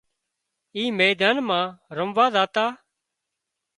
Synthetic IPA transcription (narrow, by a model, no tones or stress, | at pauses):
iːmeːd̪aːnmãːɾəmʋaːzaːt̪aː